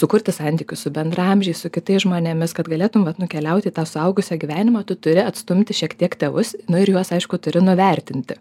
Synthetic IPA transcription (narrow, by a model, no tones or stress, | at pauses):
sʊkʊrʲt̪ʲɪsɑnʲt̪ʲiːkʲʊssʊbʲɛnd̪rɐɐmʲʒʲɛɪsʊkʲɪt̪ɐɪsʒmoːnʲɛmʲɪskɐt̪ɡɐlʲeːt̪ʊmʋɐt̪nʊkʲɛlʲɛʊt̪ʲɪiːt̪ɑːsʊɐʊɡʊsʲæːɡʲiʋʲæːnʲɪmɑːt̪ʊt̪ʊɾʲɪɐt̪st̪ʊmʲt̪ʲɪʃʲiɛkt̪ʲiɛkt̪ʲɛːʋʊsnʊɪɾjuɔsɐɪʃkʊt̪ʊɾʲɪnʊʋʲæˑrʲt̪ʲɪnʲt̪ʲɪ